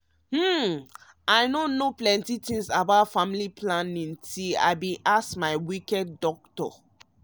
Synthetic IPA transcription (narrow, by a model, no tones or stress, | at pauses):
hm̩ | ʔaɪnõnoplɛ̃ntitĩŋsabaʊtfãmilipʰlãnĩntila̰ɪbĩʔasmaɪwikɛdːɔk̚tɔ̰